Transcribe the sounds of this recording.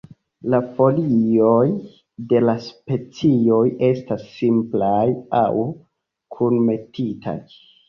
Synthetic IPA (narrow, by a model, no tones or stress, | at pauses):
lafo̞lio̞j | de̞laspe̞t͡sio̞je̞stasːimplaja̰w | kʰunme̞tʰitʰa̰j